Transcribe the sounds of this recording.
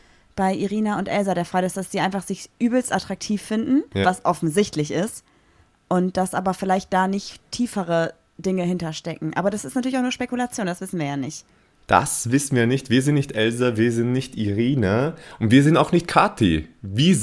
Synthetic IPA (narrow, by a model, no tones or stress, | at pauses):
b̥aɪʔiʁiːnaʊntʔɛlzaɾeːɐfʁ̥aːɡəɪstd̥asd̥z̥iːʔaɪnfaχz̥ɪçʔyːbl̩stʔatʁ̥ak̚tʰiːfːɪndn̩vasʔɔfn̩zɪçtʰlɪçɪst | ʔʊntd̥asʔaːbɐfɪlaɪçt̚d̥aːnɪçtʰiːfəʁə | d̥ɪŋəhɪntɐʃtɛkŋ̩ʔaːbɐɾasɪstnatʰyːɐlɪçaʊxnuɐʃpekulat͡sjoːndasv̥ɪsn̩viːɐjaːnɪçt | d̥a̰sv̥ɪsn̩viːjaːnɪçtv̥iːɐzɪntnɪçtʔɛlzaviːɐzɪntnɪçtiʁiːnaʔʊntv̥iːɐzɪntaʊxnɪçt̚kʰaːtʰḭvi